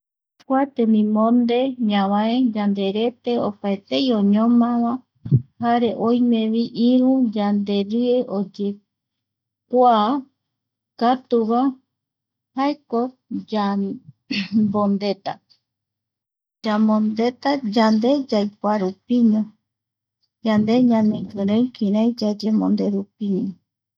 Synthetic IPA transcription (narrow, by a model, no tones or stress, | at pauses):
kʷat̪enĩmõnd̪eɲãβãed͡ʒand̪e̞ɾe̞t̪e̞opaet̪ejõɲõmãβa | haɾe̞ʔojmẽβiʔiɾũd͡ʒand̪e̞ɾɨeʔod͡ʒe | kʷa | kat̪uβa | haeko | d͡ʒa | bõnd̪e̞t̪a | d͡ʒamõnd̪e̞t̪ad͡ʒand̪e̞d͡ʒajkwaɾupiɲõ | d͡ʒand̪e̞ɲãnẽɡɨɾẽkĩɾãjd͡ʒad͡ʒemõnd̪e̞ɾupiɲõ